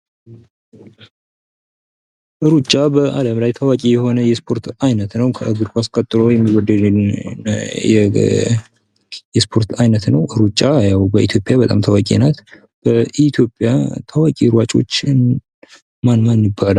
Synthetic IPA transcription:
ʔɨɾut͡ʃʼːabəʔa̰ləmlajt̪ʰawakʼijɛho̞nəjɛspʰo̞ɾt̪ajnət̪nəwkʰəʔɨɡɨdkʷaskʼət̪ʼːɨɾojɛmːiwɔd̪ːəd̪ | ɛ | jɛspʰo̞ɾt̪ajnət̪nəwʔɨɾut͡ʃʼːajawbəʔḭt̪ʰjo̞pʼjabət̪ʼa̰mt̪ʰawakʼḭnat̪ | b̥əʔit̪ʰjo̞pʼjat̪ʰawakʼiɾwat͡ʃʼo̞̰t͡ʃːn | manmanjɨbːala

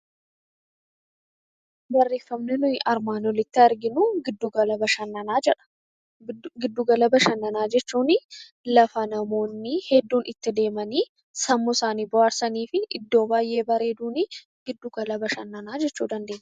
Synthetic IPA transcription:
bɐrːe̞ːfːɐmnɪnʊjɪʔɐɾmaːnɔlɪt̪ːɪɐɾɡɪnʊɡɪd̪ːuɡɐlɐbɐʃɐnːɐnaːd͡ʒɛᶑɐ̥ | ɡɪd̪ːuɡɐlɐbɐʃɐnːɐnaːd͡ʒɛt͡ʃːuːnɪ | lɐfɐnɐmo̞ːnːɪhɛd̪ːuːnɪt̪ːɪd̪e̞ːmɐniː | sɐmːʊsaːniːbʊaːɾsɐniːfɪʔɪd̪ːo̞ːbaːjʔe̞ːbɐɾeːd̪uːnɪ | ɡɪd̪ːuɡɐlɐbɐʃɐnːɐnaːd͡ʒɛt͡ʃːuːd̪ɐnd̪e̞ːnːɛ̥

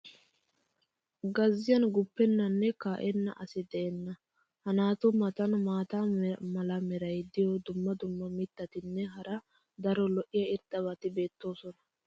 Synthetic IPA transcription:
ɡɐzːɪjɐnɡʊpːɛnːɐnːɛkaːʔɛnːɐʔɐsɪd̪ɛʔɛnːɐ | hɐnaːt̪ɔmɐt̪ɐnmaːt̪aːmɐlɐmɛɾɐjd̪ɪjɔd̪ʊmːɐd̪ʊmːɐmɪt̪ːɐt̪ɪnːɛɦɐɾɐ | d̪ɐɾɔlɔʔɪjɐɪɾd̪ɐβɐt̪ɪbe̞ːt̪ːo̞ːsɔnɐ̥

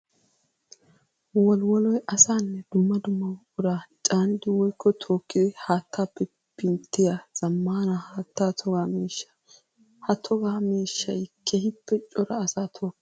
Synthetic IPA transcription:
wɔlwɔlɔjʔɐsaːnːɛd̪ʊmːɐd̪ʊmːɐwʊɾaːt͡ʃʼaːnɪd̪ɪwɔjkʰːɔt̪ʰo̞ːkːɪd̪ɪhaːt̪ʰːaːpːɛ | pɪnt̪ːɪjaz̥ɐmːaːnɐhaːt̪ːaːt̪ʰɔɡaːmiːʃːɐ̥ | hɐt̪ʰɔɡaːmiːʃːɐjkʰːeːhɪpːɛt͡ʃʼɔɾɐːsaːt̪ʰoːkː

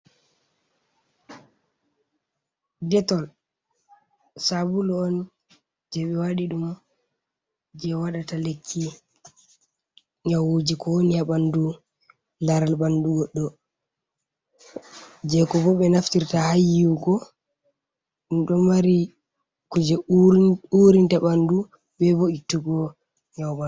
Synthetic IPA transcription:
dɛtɔl | sabulɔɔn | d͡ʒɛɓɛwaɗiɗum | d͡ʒɛwaɗatalekʰːi | ɲawud͡ʒikɔnjabandu | naɾalbanduɡɔɗːɔ | d͡ʒɛkɔbɔɓɛnaftiɾtahajiwɡɔ | iɗɔmaɾi | kud͡ʒɛ | uɾintaɓandu | bɛboitːuɡɔ | ɲawba

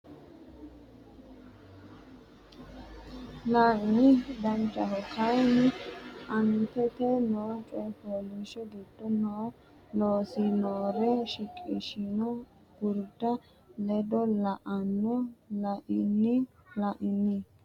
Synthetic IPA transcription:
laːʔɪnɪd̪ɐnt͡ʃʼːɐɦɔkajnɪʔɐnt̪ɛt̪ɛnoːt͡ʃʼɔpoːliʃɔɡid̪̥ːɔnɔ | loːsɪnoːɾɛʃɪkʼːɪ̰ʃɪnɔ | ɡ̥ʊɾd̪ɐ | lɛd̪ɔlɐʔɐnːɔlɐʔɪnːɪlɐʔɪnːɪ

